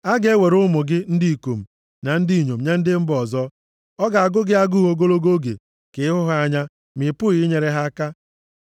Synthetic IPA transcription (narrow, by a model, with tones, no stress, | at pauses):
a˦ɡe˦we˨ɾʊ˦mʊ˨ɡɪ˦n̩˦di˦˨ko˨m̩˨ | na˨n̩˦di˦i˨ɲo˨m̩˨ɲa˦n̩˦dɪ˦m̩˦bɔ˨zɔ˦ | ɔ˦ɡa˨a˨ɡʊ˦ɡɪ˦a˦ɡʊ˦ɦo˦ɡo˦lo˦ɡo˦ɡḛ˨ | kɪ˨ɪ˦ɦʊ˦ɦa˦ɲa˦ | mɪ˨pʊ˦ɣɪ˦ɲe˨ɾe˦ɦa˦ka˦